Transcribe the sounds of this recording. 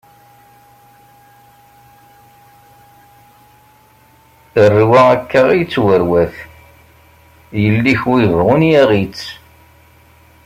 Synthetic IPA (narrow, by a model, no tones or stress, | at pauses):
ərːiwæækːæʁijət͡sːwəɾwæθ | jəlːiçwivʁʊnjæʁit͡sː